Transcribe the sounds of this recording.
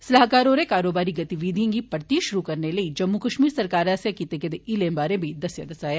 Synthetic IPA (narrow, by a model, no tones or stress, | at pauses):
sɐlaɦkaːɾoːɾekaːɾoːbaːɾiɡɐt̪iʋiːd̪ʱijõŋɡipɐɾt̪iʃʊɾukɐɾnelɐid͡ʒɐmːukɐʃmiːɾsɐɾkaːɾɐsjakiːt̪eked̪eʔilẽmbaːɾẽbʱid̪ɐsjɐ̰d̪ɐsaːjaː